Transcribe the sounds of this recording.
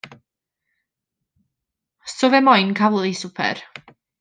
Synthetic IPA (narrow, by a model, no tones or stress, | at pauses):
sɔvɛmɔjnkʰawlˠisʊpʰɛ̰r